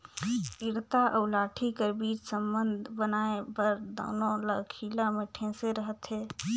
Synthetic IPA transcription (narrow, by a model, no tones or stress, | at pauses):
piɾt̪aʔəʊlaːʈʰikəɾbiːt͡ʃsəmbənd̪ʱbənaepəɾd̪ə̰ːnoləkʰilameʈʰẽseɾəɦət̪ɦɛː